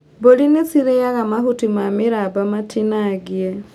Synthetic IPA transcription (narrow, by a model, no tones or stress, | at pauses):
bolinesiɾeaɣamaɦutimamɪɾabamatʰinaɡiɛ